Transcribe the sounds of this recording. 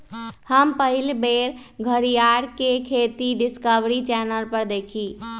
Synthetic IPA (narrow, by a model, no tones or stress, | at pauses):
həmpəɦilbeɾ | ɡʱəɾijaɾkekʰet̪iɖɪskəbɾit͡ʃɛnəlpəɾd̪ekʰiː